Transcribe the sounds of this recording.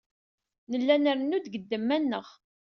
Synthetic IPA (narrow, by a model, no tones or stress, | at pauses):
nəlːænæɾənud̪ɡəd̪ːəmːænːəʁ